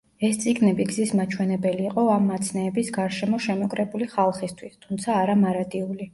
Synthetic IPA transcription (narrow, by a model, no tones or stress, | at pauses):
ɛst̪sʼiɡnɛbiɡzismat͡ʃʰwɛnɛbɛliːqʼɔamːat̪sʰnɛːbisɡaɾʃɛmɔʃɛmɔkʼɾɛbuliχalˠχist̪ʰwist̪ʰumt̪sʰaːɾamaɾat̪ʼiuli